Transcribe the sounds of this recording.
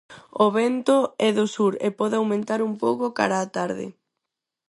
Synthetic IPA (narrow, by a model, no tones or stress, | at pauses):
oβɛnt̪oɛðʊsuɾepɔðɪawmẽnt̪aɾumpowkoka̰ɾaːt̪aɾðɪ̰